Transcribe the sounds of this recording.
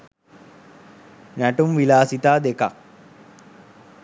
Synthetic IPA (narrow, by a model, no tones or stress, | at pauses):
næʈumʋilaːsit̪aːd̪eka̰k